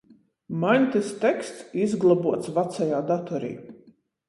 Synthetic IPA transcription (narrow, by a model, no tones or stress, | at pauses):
manʲt̪ist̪ɛkst̪sizɡlˠabuɔt̪svat̪sajaːd̪at̪ɔɾḭː